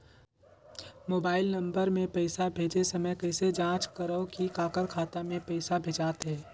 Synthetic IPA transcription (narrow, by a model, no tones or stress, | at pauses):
moːbaːɪlnɐ̃mbəɾmẽpɛɪsabʱeːd͡ʒesɐməjkɛːsed͡ʒãːt͡ʃkəɾəõkikaːkəɾkʰaːt̪amẽpɛɪsabʱeːd͡ʒaːt̪ɦɛ̃ː